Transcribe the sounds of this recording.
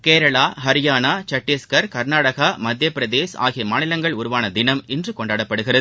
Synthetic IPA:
keːɾɐɭaːɦɐɾɪjaːnaːt͡ʃɐʈːɪskɐɾkɐɾnaːɽɐɣamɐd̪jɐpːɪɾɐd̪eːsa̰ːɣɪjɐmaːnɪlɐŋɡɐɭʊɾʊʋaːnɐd̪ɪnɐmɪndrɯkɔɳɖaːɽɐpːɐɽɯɣɪrɐð

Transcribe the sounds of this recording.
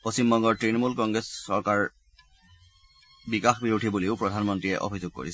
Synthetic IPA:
post͡ɕimbɔŋɡɔɹtɹinɔmulkɔŋɡɹesːɔɹkaɹ | bikaxbiɹudʱibuleʊpɹɔdʱanmɔntɹiɛ̰ʔo̰bʱizoɡ̚ko̰ɹḭsɛ̥

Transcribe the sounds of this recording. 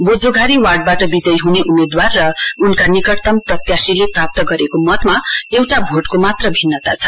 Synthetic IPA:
bod͡zʱoɡʱaɾiwarɖ̚baʈʌbid͡zʌjɦuneʔumed̪warːʌunkanikʌrt̪ʌmprʌt̪jasileprap̚t̪ʌɡʌɾekomʌt̪maewʈabʱoʈkomat̪rʌbʱinːʌt̪at͡sʰʌ

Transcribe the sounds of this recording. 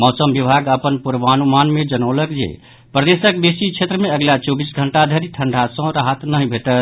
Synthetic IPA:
mɔːsəmbibʱaɡəpənpuɾʋanumanmed͡ʒənəwləkd͡ʒḛ | pɾəd̪esək̚besit͡ʃʰet̪ɾəmeəɡlat͡ʃobisɡʱəɳʈad̪ʱeɾiʈʰəɳɖʱasə̃ɾaɦət̪nəɦibʱeʈət̪

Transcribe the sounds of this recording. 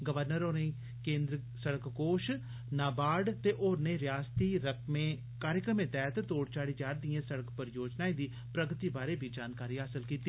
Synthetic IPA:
ɡəʋəɾnəɾoːneː | kẽːnd̪ɾ | səɽəkkoːʃ | naːbaːɖt̪eːʔoːɾneːɾɪjaːst̪iːɾəkʰmẽː | kaːɾjəkɾəmẽːt̪ɛːt̪t̪oːɽt͡ʃaːɽiːd͡ʒaːɾd̪ɪjẽːsəɽəkpəɾjoːd͡ʒnaːĩːd̪iː | pɾəɡt̪iːbaːɾeːbʱiːd͡ʒaːnkaːɾiːɦaːsəlkiːt̪iː

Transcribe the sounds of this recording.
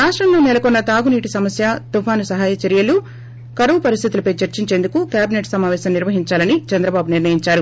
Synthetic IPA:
ɾaːʂʈɾɐmloːnɛlɐkɔnːɐt̪aːɡuniːʈisɐmɐsjat̪upʰaːnusɐɦaːjɐt͡ʃɐɾijɐlu | kɐɾɐʋupɐɾist̪ʰit̪ulɐpɐjt͡ʃɐɾt͡ʃiɲt͡ʃe̞ːnd̪ukukjaːbineʈsɐmaːʋɛːsɐmniɾʋɐɦiɲt͡ʃaːlɐnit͡ʃɐnd̪ɾɐbaːbuniɾnɐjiɲt͡ʃaːɾu

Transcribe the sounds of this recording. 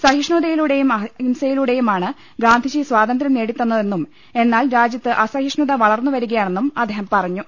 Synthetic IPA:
sɐɦiʂɳuðɐjiluɽe̞jumɐinsɐjiluɽe̞jumaːɳɨ | ɡaːnd̪ʱid͡ʑiswaːd̪ɐnd̪ɾɐmneːɽit̪ːunːɐðe̞nːum | e̞nːaːlɾaːd͡ʑjɐt̪ːɨʔɐsɐhiʂɳuðɐʋɐɭɐrnːuʋɐɾuɣɐjaːɳe̞nːumɐd̪ʱeːɦɐmpɐrɐɲːu

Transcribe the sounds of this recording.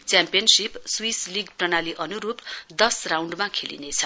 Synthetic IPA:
t͡sjampijʌnsipswisliɡprʌnaliʔʌnuɾupd̪ʌsrawɳɖmakʰelḭnet͡sʰʌ

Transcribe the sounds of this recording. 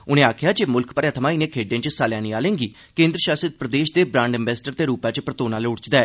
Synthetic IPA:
ʊnẽːaːkʰjaːd͡ʒeːmʊlkpəɾət̪ʰəmãːɪnẽːkʰeːɖẽãːt͡ʃsaːljaːniːaːlẽːŋɡiː | kẽːnd̪ɾəʃaːsət̪̚pɾəd̪eːʃd̪eːbɾãːɳɖɪ̃mbɛːsʈəɾt̪eːɾuːpãːt͡ʃpɾət̪oːnãːlːʊɽt͡ʃd̪aːɛː

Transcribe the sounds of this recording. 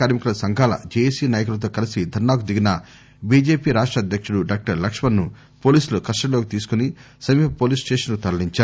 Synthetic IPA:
aːɾmikulɐsɐŋɡʱaːlɐ̰d͡ʒeːjesiːnaːjɐkulɐt̪̬o̞ːkɐlisid̪ʱɐɾnaːkud̪iɡinɐ | biːd͡ʒe̞ːpiːɾaːʂʈɾɐːd̪ʱjɐkʂuɽuɖaːk̚ʈɐɾlɐkʂmɐnnu | po̞ːliːsulukɐsʈɐlokit̪iːsu̥kuni | sɐmiːpɐpoːliːsʈeːʂɐnlut̪ɐɾɐliɲt͡ʃaːɾu

